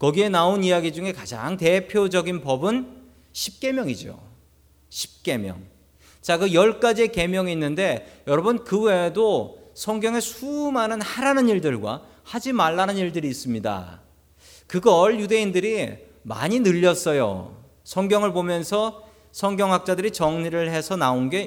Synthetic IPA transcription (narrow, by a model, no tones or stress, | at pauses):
kʌɡie̞naonijaɡid͡ʑuŋe̞kad͡ʑa̰ŋte̞pʰjod͡ʑʌɡinpʌbɯn | ɕʰip̚k͈e̞mjʌŋid͡ʑo̰ | ɕʰi̥p̚k͈e̞mjʌ̰ŋ | t͡ɕakɯjʌɭk͈ad͡ʑieke̞mjʌŋiːnːɯnde̞jʌɾʌbɯnkɯwe̞dosʰʌŋɡjʌŋe̞sʰumanɯnhaɾanɯniɭdɯɭɡwa̰ | had͡ʑimaɭːanɯniɭdɯɾiːs͈ɯmɲida̰ | kɯɡʌɭjude̞indɯɾi | ma̰ɲinɯʎːʌs͈ʌjo̰ | sʰʌŋɡjʌŋɯɭpomjʌnsʰʌ | sʰʌŋɡjʌŋɦak̚t͡ɕ͈adɯɾit͡ɕʌŋɲiɾɯɭhe̞sʰʌnaonɡe̞